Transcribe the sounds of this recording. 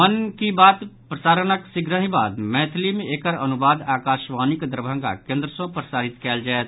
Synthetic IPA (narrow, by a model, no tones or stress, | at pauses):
mənkibaːt̪pɾɐsaːɾənəksɪɡɾəɦĩbaːd̪mɛ̃ːt̪ʰlimẽeːkəɾɐnʊbaːd̪aːkaːʃʋaːnikd̪ɾəbʱə̃ŋɡa̰kẽːnd̪ɾəsõpɾəsaːɾɪt̪kɛːld͡ʒaːet̪